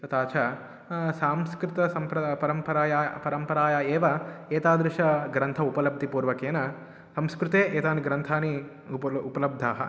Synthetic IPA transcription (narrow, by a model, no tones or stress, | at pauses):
t̪ɐt̪aːt͡ʃʰa | saːmskɾɪt̪ɐsɐmpɾɐpɐɾɐmpɐɾaːjapɐɾɐmpɐɾaːjaːeːʋɐeːt̪aːd̪ɾuʃɐɡɾɐnt̪ʰɐupɐlɐb̚d̪ʱipuːɾʋɐkeːnɐ | sɐmskɾut̪eːʔeːt̪aːniɡɾɐnt̪ʰaːni | upɐlɐb̚d̪ʱaːɦɐ̰